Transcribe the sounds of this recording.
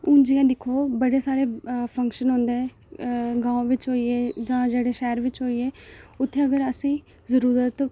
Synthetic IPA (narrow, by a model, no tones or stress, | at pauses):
ʊ̃d͡ʒiːãːd̪ɪkʰːoːbəɽeːsaːɾeːpʰə̃ŋkʃənɦõːnd̪eːɛ̃ | ɡãːõːʋɪt͡ʃɦoːiːeːd͡ʒãːd͡ʒeːɽeːʃɛːɾʋɪt͡ʃɦoːiːeːʊt̪ʰːeːəɡəɾəsĩː | zəɾuːɾət̪